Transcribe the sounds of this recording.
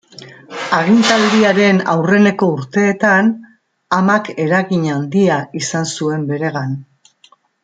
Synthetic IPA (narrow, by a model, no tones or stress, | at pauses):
aɣint̪ald̪iaɾe̞na̰wre̞ne̞ko̞uɾt̪e̞ːt̪an | amake̞ɾaɣiɲand̪iaisansue̞mbe̞ɾe̞ɣan